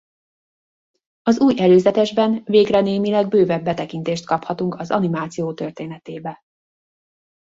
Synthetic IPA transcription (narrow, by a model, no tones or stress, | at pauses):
ɒzuːjʔɛløːzɛt̪ɛʒbɛnveːɡrɛneːmilɛɡ̚bøːvɛbːɛt̪ɛkin̪t̪eːʃt̪̚kɒphɒt̪uŋkɒzɒ̰nimaːt̪sijoːt̪ørt̪eːnɛt̪eːbɛ